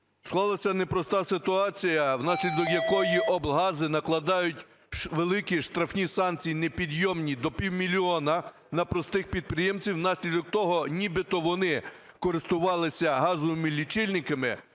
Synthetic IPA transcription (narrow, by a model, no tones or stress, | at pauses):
sklˠɑlˠɐsʲɐnepɾɔst̪ɑsɪt̪ʊɑt͡sʲijɐwnɑsʲlʲid̪ɔkjɐkɔjiʔɔbˠɦɑzɪnɐklˠɐd̪ɑjʊtʲ | ʋelˠɪkiʃt̪ɾɐfnʲisɑnkt͡sʲijinepʲid̪jɔmnʲid̪ɔpʲiwmʲilʲiɔnɐ | nɐpɾɔst̪ɪxpʲid̪̚pɾɪjɛmt͡sʲiwnɑsʲlʲid̪ɔk̚t̪ɔɦɔnʲibɪt̪ɔʋɔnɪ | kɔɾɪst̪ʊʋɑlˠɪsʲɐɦɑzɔʋɪmɪlʲit͡ʃɪlʲnɪkɐmɪ